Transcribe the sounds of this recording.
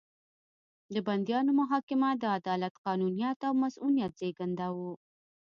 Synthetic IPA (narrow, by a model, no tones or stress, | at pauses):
d̪əband̪ijɑnomʊɦɑkɪmad̪əad̪ɑlat̪qɑnunijat̪awmasunijat̪̚z̥eɡand̪awu